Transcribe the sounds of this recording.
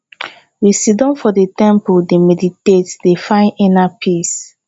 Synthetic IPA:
wisidɔ̃nfɔdetɛ̃mpuldemɛditetdefãɪ̃nɛ̃napʰis

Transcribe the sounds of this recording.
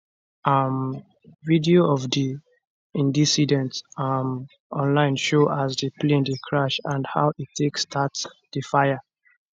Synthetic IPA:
am | vidioɔvdi | ĩndisidɛ̃ntam | ɔ̃nlãɪ̃nʃoʔasdəplẽndəkʰɹaʃãndha̰ʊʔitʰːeksːtʰatsd̥əfajə

